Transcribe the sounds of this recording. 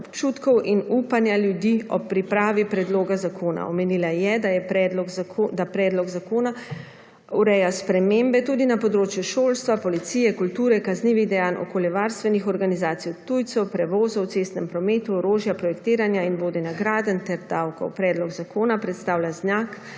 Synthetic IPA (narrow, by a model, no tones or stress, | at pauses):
ɔpt͡ʃuːt̪kɔwʔinuːpanjaljud̪iɔ̰pɾipɾaːʋipɾɛd̪loːɡazakʰoːna̰ɔmeniːlajɛd̪ajɛpɛd̪lɔɡd̪apɾɛːd̪lɔɡzakoːna | uɾɛjaspɾɛmeːmbɛt̪uːd̪inapɔd̪ɾoːt͡ʃjuʃoːlst̪ʋapɔlit̪sijɛkult̪uːɾɛkazniːʋiɣd̪ɛjaːnʔɔ̰koːljɛʋaːɾst̪ʋɛnixɔɾɡanizaːt̪sijwt̪ujt̪sɛwpɾɛʋoːzɔwt̪sest̪nɛmpɾɔmeːt̪uɔɾoːʒjapɾɔjɛkt̪eːɾanjainʋoːd̪ɛnaɡɾaːd̪ənt̪ɛɾd̪awkɔ̰wpɾɛːd̪lɔɡzakoːnapɾɛt̪st̪aːwlʲjaznaːk